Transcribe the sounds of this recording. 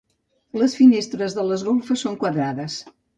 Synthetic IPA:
ləsfinest̪ɾəzðələzɣolˠfəsoŋkwəðɾaðəs

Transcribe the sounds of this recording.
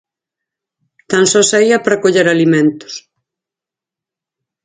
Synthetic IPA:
t̪ansɔsaiɐpɾɐkoʎeɾalimẽnt̪ʊ̥s

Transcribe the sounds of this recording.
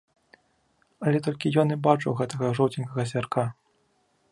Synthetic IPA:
ɐlʲɛt̪ɔlʲkʲijɔnibat͡ʂɐwɣɛt̪ɐɣɐʐɔwt͡sʲinʲkɐɣɐzʲvʲarka

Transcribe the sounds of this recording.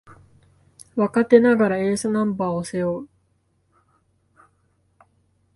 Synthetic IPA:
βakat̪e̞naɡaɾae̞ːsonãmbaːose̞joː

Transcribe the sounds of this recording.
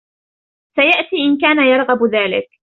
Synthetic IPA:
sajaʔt̪iːʔɪnkaːnajɑɾˤɣabðaːlɪ̰k

